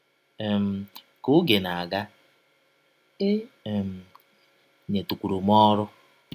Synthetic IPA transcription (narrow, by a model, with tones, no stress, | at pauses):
e˨m̩˨ | kʊ˦ɡe˨na˨a˨ɡa˦ | e˦˨m̩˨ | ɲe˨tu˨kʷu˨ɾo˨mɔ˦ɾʊ˦